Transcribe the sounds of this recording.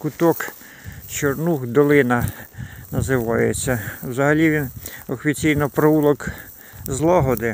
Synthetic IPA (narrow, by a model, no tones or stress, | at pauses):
kʊt̪ɔk | t͡ʃɔrnuxd̪ɔlˠɪnɐnɐzɪʋɑjet͡sʲːɐwzɐɦɐlʲiʋʲinɔfʲit͡sʲijnɔpɾɔulˠɔk | zlˠɑɦɔd̪ɪ